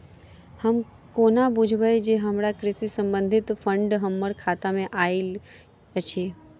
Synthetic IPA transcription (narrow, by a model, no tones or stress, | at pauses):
həm | konabud͡ʒʱʋəjd͡ʒeɦəmɾakɾɪsisəmbə̃nd̪ʱɪt̪fʰəɳɖɦəmːəɽkʰat̪amẽʔael | ət͡ʃʰe